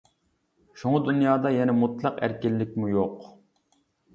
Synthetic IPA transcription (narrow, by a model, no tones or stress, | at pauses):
ʃoŋʊd̪unjɑːd̪ɑjɛnɛmut̪lˠɑqæ̰ɾkʲɪlːɪkʲmujoq